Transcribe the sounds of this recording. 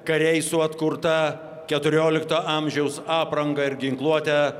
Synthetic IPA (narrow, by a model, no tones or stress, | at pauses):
kɐɾʲɛɪsʊɐt̪kʊɾt̪ɐ | kʲɛt̪ʊɾʲoːlʲɪkt̪oːʔɐmʲʒʲɛʊsɑːpɾɐŋɡɐɪɾɡʲɪŋklˠuɔt̪ʲɛ